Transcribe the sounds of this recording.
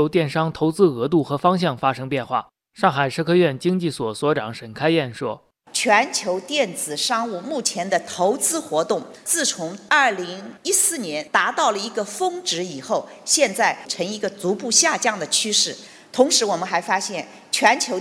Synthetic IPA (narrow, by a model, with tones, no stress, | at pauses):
ʊt̪jɛ˥˩nʂɑ˥ŋt̪ʰo˧˥ʊt͡sɹ̩˥ɤ˧˥t̪̬u˥˩xɤ˧˥fɑ˥ŋɕ̬jɑ˥˩ŋfa˥ʂɤ˥ŋpjɛ˥˧nxwa̰˥˩ | ʂɑ˥˩ŋxa˨˩ɪʈ͡ʂʰɤ˥kʰɤ˥ɥɛ˥˩nt͡ɕi˥ŋt͡ɕi˥˩swɔ˨˩swɔ˧˥ʈ͡ʂɑ˨˩ŋʂə˨˩nkʰa˥ɪjɛ˥˩nʂwɔ˥ | t͡ɕʰɥɛ˧˥nt͡ɕʰjo˧˥ʊt̪jɛ˥˩nt͡sɹ̩˨˩ʂɑ˥ŋu˥˧mu˥˩t͡ɕʰjɛ˧˥nd̪ə˧t̪ʰo˧˥ʊt͡sɹ̩˥xwɔ˧˥t̪ʊ˥˩ŋt͡sɹ̩˥˩t͡sʰʊ˧˥ŋɐ˥˩li˧˥ŋi˥sɹ̩˥˩njɛ˧˥nt̪a˧˥t̪ɑ˥˩ʊlə˩i˧˥ɡə˧fɤ˥ŋʈ͡ʂɻ̩˧˥i˨˩xo˥˩ʊɕjɛ˥˧nt͡sa˥˩ɪʈ͡ʂʰɤ˧˥ŋi˧˥ɡə˧t͡su˧˥pu˥˧ɕja˥˧t͡ɕjɑ˥˩ŋd̪ə˩t͡ɕʰy˥ʂɻ̩˥˩ | t̪ʰʊ˧˥ŋʂɻ̩˧˥wɔ˨˩mə˦nxa˧˥ɪfa˥ɕjɛ˥˩n | t͡ɕʰɥɛ˧˥nt͡ɕʰjo˧˥ʊ